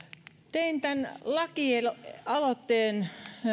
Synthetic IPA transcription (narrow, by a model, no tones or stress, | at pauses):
t̪eint̪ænlɑkielɑlot̪ːeːn